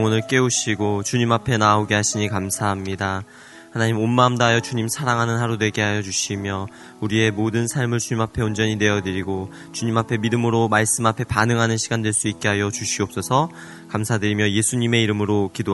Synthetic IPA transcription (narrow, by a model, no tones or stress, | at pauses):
ŋʌnɯɭk͈e̞uɕʰiɡot͡ɕuɲimapʰe̞naoɡeɦaɕʰiɲikamsʰaɦamɲida | hanaɲimonmaːmdaɦjʌt͡ɕuɲimsʰaɾaŋɦanɯnɦaɾonwe̞ɡe̞ɦajʌd͡ʑuɕʰimjʌ | uɾie̞modɯnsʰaɭmɯɭt͡ɕuɲimapʰe̞ond͡ʑʌɲine̞jʌdɯɾiɡo | t͡ɕuɲimapʰe̞midɯmɯɾomaɭs͈ɯmapʰe̞panɯŋɦanɯnɕʰiɡandweɭs͈uit̚k͈e̞ɦajʌt͡ɕuɕʰiʌp̚s͈ʌsʰʌ | kamsʰadɯɾimjʌje̞sʰuɲime̞iɾɯmɯɾokido